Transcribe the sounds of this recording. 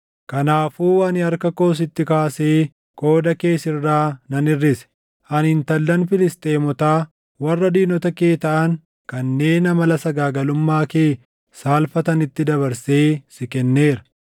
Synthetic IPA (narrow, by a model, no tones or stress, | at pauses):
kɐnaːfuːɐnɪɐɾkɐko̞ːs̬ɪt̪ːɪkaːseː | kʼo̞ːd̪ɐke̞ːsɪrːaːnɐnɪrːɪsɛ̥ | ʔɐnɪnt̪ɐlːɐnfɪlɪst̪ʼe̞ːmɔt̪aː | wɐrːɐd̪iːnɔt̪ɐkeːt̪ɐʔɐŋ | kɐnːe̞ːnɐmɐlɐsɐɡaːɡɐlʊmːaːkeː | saːlfɐt̪ɐnɪt̪ːɪd̪ɐβɐɾse̞ːsɪkɛnːe̞ːɾɐ̥